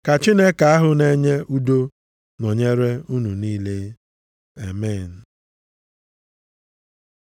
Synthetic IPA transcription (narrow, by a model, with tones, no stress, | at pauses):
ka˨t͡ʃi˦ne˦ka˨a˦ɦʊ˨ne˦ɲe˦ʔu˦do˦ | nɔ˨ɲe˦ɾe˦u˦nu˨niː˦le˦ | e˨me˦˨n̩˨